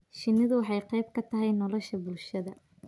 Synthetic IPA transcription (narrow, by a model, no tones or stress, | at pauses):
ʃɪnːɪðʊwɑħɑjqɛjb̚kʰɐt̪ʰɐɦɛjnɔlɔʃɐbʊlʃɐðɐ